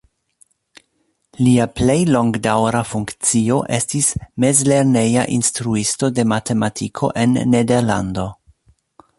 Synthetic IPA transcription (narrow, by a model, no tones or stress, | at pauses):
liaple̞jlo̞ŋɡdawɾafuŋkt͡sio̞ʔe̞stisme̞zle̞ɾne̞ja̰ʔinstɾuisto̞de̞mate̞matʰikʰo̞̰ʔe̞nːede̞ɾla̰ndo̞